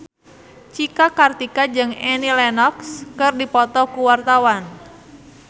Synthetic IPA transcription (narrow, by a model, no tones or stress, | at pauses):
t͡ʃikakart̪ikad͡ʒɨŋɛnilɛnɔkskɨrdipɔt̪ɔkuwart̪awan